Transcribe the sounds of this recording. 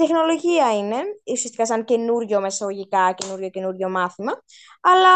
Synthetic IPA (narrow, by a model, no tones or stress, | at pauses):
it̪e̞xno̞lo̞ʝiɐine̞usiɐst̪ikɐsɐŋce̞nuɾʝo̞me̞sɐɣo̞ʝikɐce̞nuɾʝo̞ce̞nuɾʝo̞mɐθimɐ | ɐlɐ